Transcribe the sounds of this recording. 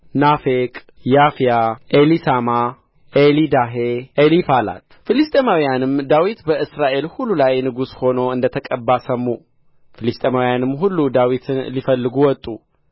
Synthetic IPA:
nafekʼ | jafijaʔelisama | ʔelid̪aɦeʔelifala̰t̪fɨlist̪ʼemawjanɨmd̪awit̪bəʔɨsɾaʔe̞lhulːulajnɨɡusho̞no̞ɨnd̪ət̪ʰəkʼəbːasəmːu | filist̪ʼemawjanɨmɦulːud̪awit̪ʰɨnlifəlːɨɡuwɔt̪ʼːu

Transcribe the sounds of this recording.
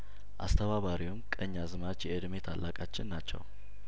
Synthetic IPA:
ʔa̰st̪ʰəβaβaɾiwumkʼəɲːazɨmat͡ʃjɛɨd̪me̞t̪ʰalːakʼat͡ʃːɪnːat͡ʃːɛ̰w

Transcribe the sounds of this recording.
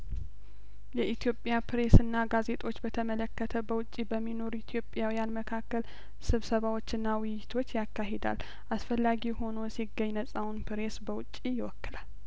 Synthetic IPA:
jɛʔit̪ʰjo̞pʼjapɾe̞sɨnːaɡaze̞t̪ʼo̞t͡ʃːbət̪ʰəmələkːət̪ʰəbəwʊt͡ʃʼːibəmːino̞ɾit̪ʰjo̞pʼjawijanməkʰakːəl | sɨβsəβawot͡ʃːɨnːawʊjjːɪt̪ʰo̞t͡ʃːjakːaɦe̞d̪a̰l | ʔasfəlːaɡiho̞no̞jsiɡːəɲnəsʼawunpɾe̞sbəwʊt͡ʃʼːijɪwɔkːɨlal

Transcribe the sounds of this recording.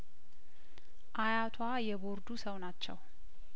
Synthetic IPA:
ʔajat̪ʰwajɛbo̞ɾd̪usəwnat͡ʃːɛ̰w

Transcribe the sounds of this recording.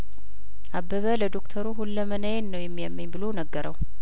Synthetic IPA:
ʔabːəβələd̪o̞kt̪ʰəɾuɦulːəmənəjenːəwjɛmːijamːəɲbɨlonəɡːəɾʔəw

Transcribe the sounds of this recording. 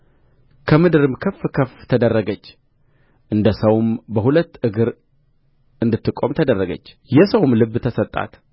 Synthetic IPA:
kʰəmɨd̪ɨɾɨmkʰəfːkʰəft̪ʰəd̪ərːəɡət͡ʃː | ʔɨnd̪əsəwmbəhulət̪ːʔɨɡɨɾ | ʔɨnd̪ɨt̪ːɨkʼo̞mt̪ʰəd̪ərːəɡə̰t͡ʃː | jɛsəwmlɨbːt̪ʰəsət̪ʼːa̰t̪

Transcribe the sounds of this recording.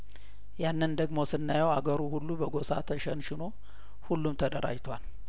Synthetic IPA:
janːɨnd̪əɡmosɨnːajəwaɡəɾuhulːubəɡo̞sa̰t̪ʰəʃənʃɪno̞ | hulːumt̪ʰəd̪əɾʔa̰d͡ʒt̪ʰwal

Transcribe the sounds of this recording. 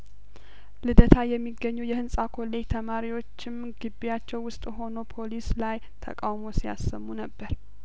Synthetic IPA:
lɨd̪ət̪ʰajɛmːiɡːəɲːujɛhɨnsʼakʰo̞le̞d͡ʒt̪ʰəmaɾiwo̞t͡ʃːɪm | ɡɨbːijat͡ʃːɛwwʊst̪ʼɦo̞no̞pʰo̞lislaj | t̪ʰə̰kʼawmo̞sija̰sːəmːunəbːəɾ

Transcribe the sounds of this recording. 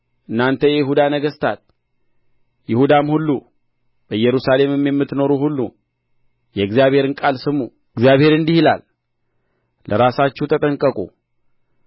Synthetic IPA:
ʔɨnːant̪ʰəjɛjɪɦud̪anəɡəst̪ʰat̪̚ | jɪhud̪amhulːu | b̥əjːɛɾusale̞mɨmjɛmːɨt̪no̞ɾuhulːṵ | jɛɡzijaβhe̞ɾɨnkʼalsɨmːu | ɨɡzijaβhe̞ɾɨnd̪ihila̰l | lʔəɾasat͡ʃːɛhut̪ʰət̪ʼəŋkʼəkʼṵ

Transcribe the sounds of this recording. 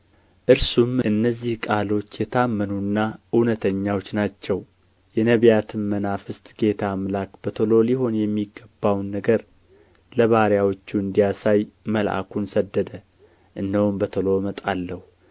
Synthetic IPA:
ʔɨɾsumɨnːəzːihkʼalo̞t͡ʃːjɛt̪ʰamːənunːaɨnət̪ʰəɲːawot͡ʃːnat͡ʃːɛw | jɛnəβjat̪ʰɨnmənafɨst̪ʼɡ̥e̞t̪ʰamlakbət̪ʰəlo̞liɦo̞njɛmːiɡːəbːawnːəɡəɾ | ləβaɾjawot͡ʃːuɨnd̪ijasajməlʔa̰kʰunsəd̪ːəd̪ə | ʔɨndəwumbət̪ʰəlo̞mət̪ʼalːəhu

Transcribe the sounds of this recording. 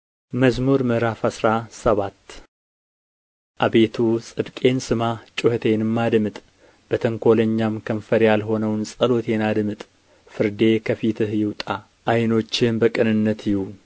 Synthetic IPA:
məzmuɾmɨɾafasɾasəβat̪ː | ʔaβe̞t̪ʰusʼɨd̪kʼe̞nsɨmat͡ʃʼʊhət̪ʰe̞nɨmːad̪mɨt̪ʼ | b̥ət̪ʰəŋkʰo̞ləɲːamkʰəmfəɾjalɦo̞nəwnsʼəlo̞t̪ʰe̞nad̪mɨt̪ʼ | fɨɾd̪e̞kʰəfit̪ʰɨhjɪwt̪ʼa | ʔajno̞t͡ʃːɪnbəkʼɨnɨnːət̪ʰjɪhu

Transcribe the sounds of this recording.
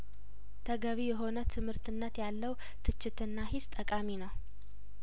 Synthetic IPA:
t̪ʰəɡəβijɛɦo̞nət̪ʰɨmhɨɾt̪ʰɨnːət̪jalːəw | t̪ʰɨt͡ʃːɪt̪ɨnːaɦɪst̪ʼəkʼaminəw

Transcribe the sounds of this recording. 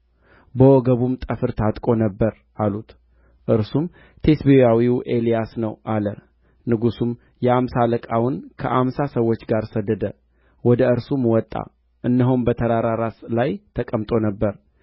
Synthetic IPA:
bəwɔɡəβumt̪ʼəfɨɾt̪ʰat̪ʼkʼo̞nəbːəɾ | ʔalut̪ | ʔɨɾsum | t̪ʰe̞sbejawiʔe̞lijasnəwʔalə | nɨɡusum | jɛamsaləkʼawʊnkʰəʔamsasəwːo̞t͡ʃːɡaɾsəd̪ːəd̪ə | wɔd̪əɨɾsumwɔt̪ʼːa̰ | ʔɨnːəɦumbət̪ʰəɾaɾaɾaslajt̪ʰəkʼəmt̪ʼo̞nəbːəɾ

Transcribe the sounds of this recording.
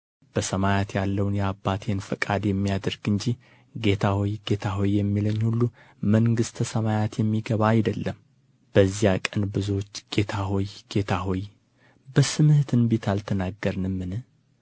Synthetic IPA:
b̥əsəmajat̪jalːəwnjɛabːat̪ʰenfəkʼad̪jɛmːijad̪əɾɡɨɲd͡ʒi | ɡe̞t̪ʰahojɡ̥e̞t̪ʰaɦojːɛmːiləɲːhulːu | məŋɡɨst̪ʰəsəmajat̪jɛmːiɡəβaːjd̪əlːəm | b̥əzːijakʼənbɨzuot͡ʃːɡ̥e̞t̪ʰaɦojɡ̥e̞t̪ʰaɦoj | bəsɨmɨht̪ʰɨnbet̪ʰalt̪ʰənaɡːəɾnɨmːɨnɨ

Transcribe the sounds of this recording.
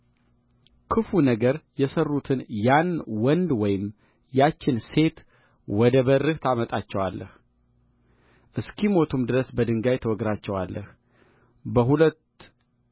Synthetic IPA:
kʰɨfunəɡəɾjɛsərːut̪ʰɨnjanwɔnd̪wɔjɪm | jat͡ʃːɪnse̞t̪ | wɔd̪əbərːɨht̪ʰamət̪ʼat͡ʃːɛwalːʔə̰h | ʔɨskʰimo̞t̪ʰumd̪ɨɾəsbəd̪ɨŋɡajt̪ʰəwɔɡɾat͡ʃːɛwalːəh | bəɦulət̪

